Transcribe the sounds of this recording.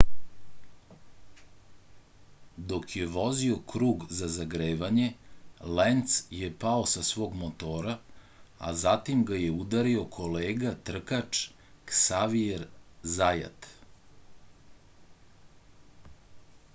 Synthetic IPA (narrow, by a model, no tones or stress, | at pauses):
d̪o̞kjeʋo̞zio̞kɾuːɡzazaɡɾeːʋaɲe̞lent̪sjepao̞sasʋo̞ːɡmot̪oːɾa | a̰zat̪imɡajeud̪aɾiokʰo̞leːɡat̪r̩kat͡ʂ | ksaʋieɾzaja̰t̪